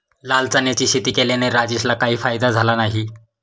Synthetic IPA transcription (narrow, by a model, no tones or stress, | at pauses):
lalt͡sanjat͡ɕiːɕit̪iːkeleneɾad͡ʑiɕlakaɦiːfajd̪ad͡zʱalanaɦi